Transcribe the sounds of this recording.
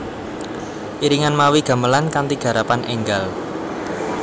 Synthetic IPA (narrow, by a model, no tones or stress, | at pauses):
ʔiɾiŋanmawiɡ̥ä̤məlankant̪iɡ̥ä̤ɾapanʔɛŋɡal